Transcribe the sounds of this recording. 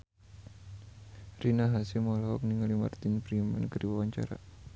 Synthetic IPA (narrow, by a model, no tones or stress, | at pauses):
rinaɦasimɔlaɔ̰k̚niŋalima̰rt̪inpəɾima̰nkərdiwawaɲt͡ʃa̰ɾa̰